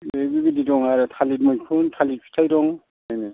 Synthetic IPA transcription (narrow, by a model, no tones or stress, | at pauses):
ebibididɔŋaɾɯtʰalit̚mujpʰuntʰalit̚pʰi̥tʰajɾɔŋ | ajnɯ